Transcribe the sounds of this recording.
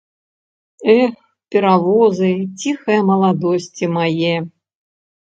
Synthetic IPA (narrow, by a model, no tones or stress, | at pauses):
ɛx | pʲɛɾavɔzɨt͡sʲixɐjɐmɐlˠad̪ɔsʲt͡sʲimajɛ